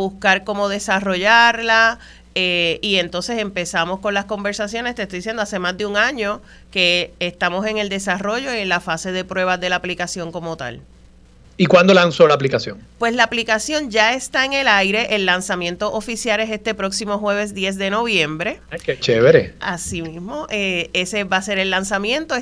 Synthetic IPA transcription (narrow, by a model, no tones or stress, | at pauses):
βuskaɾko̞mo̞ðe̞saro̞ʝaɾla | eie̞nt̪o̞nse̞se̞mpe̞samo̞sko̞nlasko̞mbe̞ɾsasjo̞nest̪est̪ojd̪isjend̪ase̞mazd̪euŋãɲo̞ | ke̞ːst̪amo̞se̞ŋe̞ld̪e̞saro̞ʝo̞ienlafase̞ðe̞pɾwe̞βazðe̞laːplikasjo̞ŋko̞mo̞t̪a̰l | ikwand̪olansolaːplikasjoŋpwe̞slaːplikasjo̞ɲd͡ʒae̞st̪aeŋe̞lajɾe̞ʔelːansamje̞nt̪oʔofisjalese̞st̪e̞pɾo̞ksimo̞ɦwe̞βe̞s̬d̪je̞sðe̞no̞βjẽ̞mbɾe̞ket͡ʃeβeɾḛa̰simismo̞ʔeesebase̞ɾe̞lːansamjẽ̞nt̪o